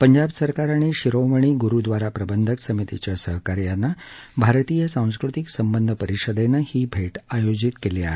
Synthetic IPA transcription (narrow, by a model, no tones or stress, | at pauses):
pəɲd͡ʑabsəɾkaɾaɽ̃iɕiɾoməɳ̃iːɡuɾud̪ʋaɾapɾəbənd̪ʱəksəmit̪it͡ɕjasəɦəkaɾjanːabʱaɾt̪ijəsãw̃skɾut̪iksəmbənd̪ʱəpəɾiɕəd̪enəhiːbʱeʈajod͡ʑit̪kelia̰ɦe